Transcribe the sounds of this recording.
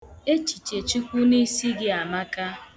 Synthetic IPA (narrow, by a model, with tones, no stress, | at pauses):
e˦t͡ʃi˨t͡ʃe˨t͡ʃi˦kʷu˦ni˦si˦ɡɪ˦a˨ma˦ka˦